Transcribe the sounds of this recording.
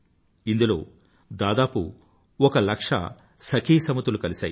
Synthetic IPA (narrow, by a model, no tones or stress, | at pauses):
ind̪ulo̞ː | d̪aːd̪aːpṵ | ɔkɐlɐkʂɐ̰ | sɐkʰiːsɐmut̪ulukɐlisa̰ːji